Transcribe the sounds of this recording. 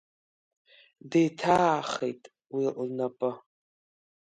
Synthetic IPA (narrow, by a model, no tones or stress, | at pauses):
dejtʰaχḛjtʼ | wiʔnapʼɨ